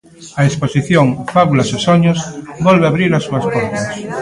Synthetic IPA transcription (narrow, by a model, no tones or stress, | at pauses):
aesposiθjõŋfaβulasosoɲosbolβeaβɾiɾasuaspoɾt̪as